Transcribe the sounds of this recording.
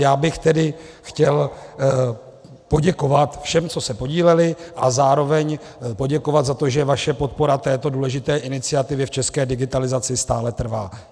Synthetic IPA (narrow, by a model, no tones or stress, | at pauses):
jaːbɪxt̪ɛdɪxcɛl | po̞ɟɛko̞vat̪fʃɛmt͡so̞sɛpo̞ɟiːlɛlɪʔazaːɾo̞vɛɲ | po̞ɟɛko̞vat̪zat̪o̞ʒɛvaʃɛpo̞t̪̚po̞ɾat̪ɛːt̪o̞duːlɛʒɪt̪ɛːʔɪnɪt͡sɪat̪ɪvjɛft͡ʃɛskɛːdɪɡɪt̪alɪzat͡sɪst̪aːlɛt̪r̩vaː